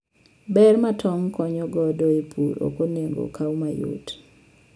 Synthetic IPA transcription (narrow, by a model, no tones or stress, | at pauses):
bɛrmatʰɔŋkɔɲɔɡɔdɔepʰuɾo̰koneŋɡo̰kʰawmajṵt